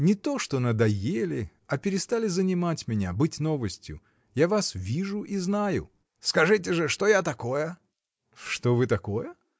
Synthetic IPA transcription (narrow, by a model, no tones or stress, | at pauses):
nʲɪt̪o̞ʂt̪o̞nəd̪ɐjelʲɪ | ɐpʲɪɾʲɪst̪alʲɪzənʲɪmatʲmʲɪnʲa̰bɨtʲno̞vəsʲtʲjʊ̰ | javasvʲiʐʊʔiznajʊ̰ | skɐʐɨt̬ʲɪʐɨʂt̪ojat̪ɐko̞jə | ʂt̪ovɨt̪ɐko̞jə